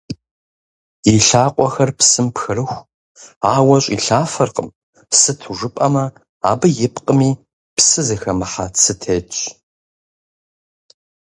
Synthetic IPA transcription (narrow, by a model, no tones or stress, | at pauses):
iɬaːqʷʼɔxɐrpsɨmpxɨrɨxʷ | aːwɐɕʷʼḭːɬaːfɐrqʼə̰m | sɨtʰuʐɨpʼɐmɐ | aːbɨjɪpqʼəmiː | psɨzɨxɐmɨħat͡sʰɨtʰeːt͡ʃʼ